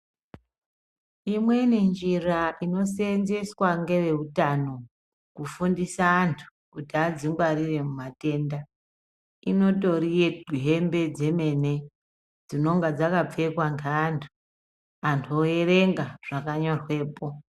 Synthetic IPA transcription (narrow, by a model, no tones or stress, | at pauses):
imwe̞nend͡ʒiraʔino̞senzeswaŋɡe̞ʋe̞ɦutano̞ | kufundisaːntʰu̥kutiad͡ziŋɡwarire̞mumate̞nda | ino̞to̞rije̞ɡʱiɦe̞mbe̞d͡ze̞me̞ne̞ | d͡zino̞ŋɡad͡zakap͡fe̞kwaŋɡeantʰu̥ | antʰuoere̞ŋɡaʐ̥akaɲorwe̞ːpo̞